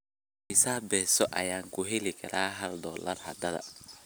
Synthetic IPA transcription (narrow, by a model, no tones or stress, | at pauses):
mɪsaːbɛːsɔʔɐjaːŋkʰʊɦɛlɪkʰɐɾʔaːɦɐld̪ɔːlɐrhɐ̰d̪ɐðɐ̰